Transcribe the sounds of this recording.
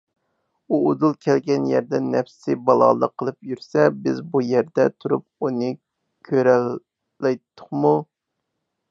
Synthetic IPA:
uod̪ulˠkʲʰɛlɡʲɛnjæɾd̪ɛnːɛfssɪbɑlˠɑ̰lˠəqʰːəlˠɨpjyɾsɛbɪzbujæɾd̪ɛt̪ʰuɾup̚unɨ | kʲʰøɾɛlː | ɛjt̪ʰːʊ̥χmu

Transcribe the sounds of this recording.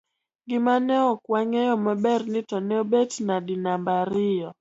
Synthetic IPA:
ɡɪmanɛɔkwaŋɛjɔmɛbɛrnɪtɔnɛobetnadinambaɾɪjɔ

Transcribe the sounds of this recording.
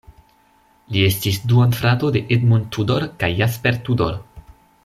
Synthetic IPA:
lie̞stisduanfɾatode̞ʔedmuntudoɾkajːaspeɾtudo̰ɾ

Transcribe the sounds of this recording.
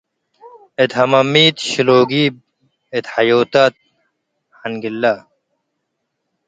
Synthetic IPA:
et̪hɐmɐmiːt̪ɕiloːɡib̚ | et̪ħɐjoːt̪at̪̚ | hɐnɡilːa

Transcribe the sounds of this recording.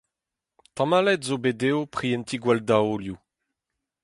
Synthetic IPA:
tamalɛtzobedeopχijɛnt̪iɡwaldaolju

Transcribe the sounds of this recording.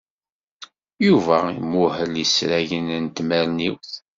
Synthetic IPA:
juvæimʊhəljəsɾæʝənənt̪mæɾniwθ

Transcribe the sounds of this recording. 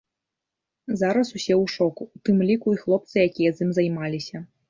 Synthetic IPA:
zaɾɐsusʲɛwuʂɔkut̪ɨmlʲikuixlˠɔp̚t̪sɨjakʲijɐzʲimzajmalʲisʲɐ

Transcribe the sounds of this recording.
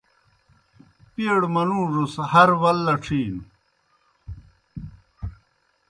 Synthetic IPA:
pieɽmɐnũːʐushɐɾwɐlːɐʈ͡ʂʰiːnu

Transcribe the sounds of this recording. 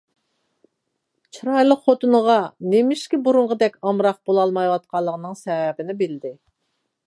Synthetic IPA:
t͡ʃʰiɾɑjlˠəqχot̪ʰɨnəʁɑnemɪʃkʲibuɾuɴʁəd̪ɛkʲɑmɾɑq̚bolˠɑlˠmɑjwɑt̪̚qʰɑlˠːəʁənɨŋsɛwɛbɪnɪbɪld̪ɪ

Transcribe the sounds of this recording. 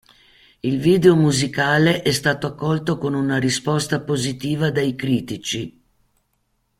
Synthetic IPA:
ilviːd̪eomuzikaːleʔɛst̪aːt̪oakːɔlt̪okonunaɾispɔst̪apozit̪iːvad̪ajkɾiːt̪it͡ʃi

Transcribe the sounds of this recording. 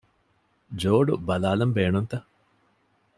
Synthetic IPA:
d͡ʒoːɖubɐlaːlɐmbeːnunt̪ɐ

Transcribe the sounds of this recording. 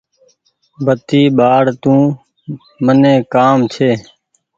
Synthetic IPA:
bʱət̪iːɓaːɽt̪ũː | mənẽːkaːmt͡ʃʰeː

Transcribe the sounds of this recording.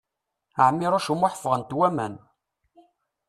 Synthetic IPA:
əʕmːiɾˤoʃumʊħə̥fʁənt̪wæmæ̰n

